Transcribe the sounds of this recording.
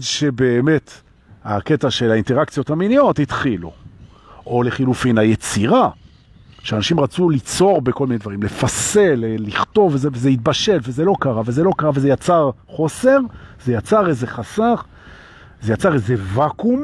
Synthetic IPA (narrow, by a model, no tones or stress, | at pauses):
dʃe̞be̞ːme̞t | a̰ke̞taʃe̞lainte̞ʁakt͡sijo̞thaminijo̞thit̪χilṵ | ʔo̞le̞χilufinajet͡siʁa | ʃeanaʃimʁat͡sulit͡so̞ʁbe̞ko̞lmined̪vaʁimle̞fase̞leliχto̞vezevezeit̪̚baʃe̞lvezelo̞kaʁavelze̞lo̞kaʁavezejat͡saʁχo̞se̞ʁz̥e̞jat͡saʁeze̞χasaχ | zejat͡saʁezevakum